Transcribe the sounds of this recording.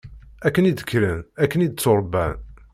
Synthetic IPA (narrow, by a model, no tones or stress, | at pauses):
ækːənid̪əkːɾənækːənid̪t͡sːoɾˤbæ̰n